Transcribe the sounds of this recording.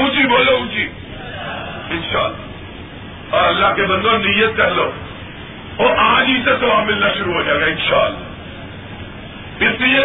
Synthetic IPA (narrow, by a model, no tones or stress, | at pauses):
ɦũːt͡ʃiːboːloɦũːt͡ʃiː | ɪnʃaːlːaː | ɔːɾɐlːaːkebɐ̃nd̪õnɪjət̪̚kɐɦloː | oːʔɐɦãd͡ʒiːd͡ʒt̪et̪oʋãmɪlnaʃʊɾuɦoːd͡ʒaːɡaɪ̃nʃaːəlːaː | ɪsnɪjə